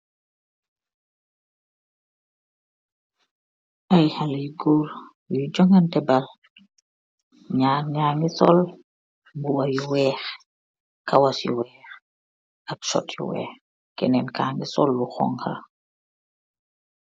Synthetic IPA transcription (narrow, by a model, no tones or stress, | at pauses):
ʔɐjhaliɡuɾ | jud͡ʒɔŋɐntɛbal | ɲaːnɲaŋɡisɔl | buwɐjuwɛːx | kɐwɐsjṵwɛːx | ɐk̚ʃɔ̰tjṵwɛ̰ːx | kɛnɛnkaːŋɡisɔlbuxɔ̰ŋhɐ̰